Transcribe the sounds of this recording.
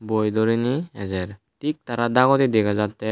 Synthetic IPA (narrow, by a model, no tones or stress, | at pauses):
bojd̪ɔɾiniɛzɛɾ | tik̚t̪aɾad̪aɡɔt̪id̪ɛkʰazat̪ːɛ